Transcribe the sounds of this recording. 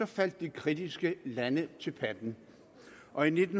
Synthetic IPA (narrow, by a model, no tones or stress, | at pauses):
ɒ̽fæl̰d̥̚ːikʰʁid̥isɡ̥əlænət͡sʰe̝lpʰæd̥n̩ | ʔɒ̽ine̝d̥n̩